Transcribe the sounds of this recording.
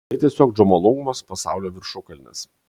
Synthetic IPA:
tɐɪt̪ʲiɛsʲoːkd͡ʒomolˠoɡʊmɐspɐsɑ̰ˑʊlʲoːʋʲɪɾʃʊkɐlʲnʲɛ̰s

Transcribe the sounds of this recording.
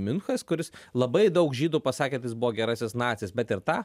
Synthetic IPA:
mʲɪnxɐskʊɾʲɪslˠɐbɐɪd̪ɐʊkʒʲiːd̪uːpɐsɑːkʲet̪ɐjɪsbʊʋoːɡʲɛɾɑːsʲɪsnɑːt̪sʲɪsbʲɛt̪ɪɾt̪ɑː

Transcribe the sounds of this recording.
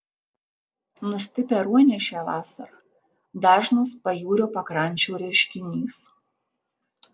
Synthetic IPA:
nʊsʲt̪ʲɪpʲeɾuɔnʲɛʃʲɛːʋɑːsɐɾɐ | d̪ɑːʒnɐspɐjuːɾʲoːpɐkɾɐnʲˑt͡ʃʲuːɾʲɛʃʲkʲɪnʲiːs

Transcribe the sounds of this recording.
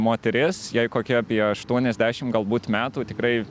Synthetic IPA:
moːt̪ʲɛɾʲɪsjɛɪkoːkʲiɛɐpʲiɛɐʃt̪uɔnʲɛzʲd̪ʲæːʃʲɪmɡɐlˠbuːt̪mʲæːt̪uːt̪ʲɪkɾɐɪ

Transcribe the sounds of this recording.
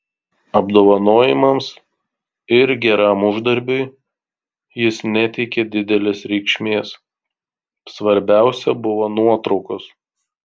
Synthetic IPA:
ɐbd̪oːʋɐnoːjɪmɐms | ɪɾɡʲɛɾɑˑmʊʒd̪ɐɾʲbʲʊɪ | jɪsnʲɛt̪ʲɛɪkʲɛd̪ʲɪd̪ʲɛlʲeːsɾʲɛɪkʃʲmʲeːs | sʋɐɾʲbʲæˑʊsʲɛbʊʋoːnuɔt̪ɾɒʊkos

